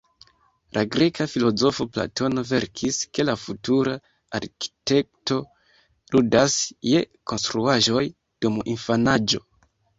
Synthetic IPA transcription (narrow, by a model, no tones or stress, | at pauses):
lʔaɡɾe̞kafilo̞zo̞fo̞pla̰to̞no̞ve̞ɾkʰiske̞lafutuɾa | aɾki̥te̞k̚to̞ | ludasje̞ko̞nstɾuaʒo̞j | d̥uminfanad͡ʒo̞̰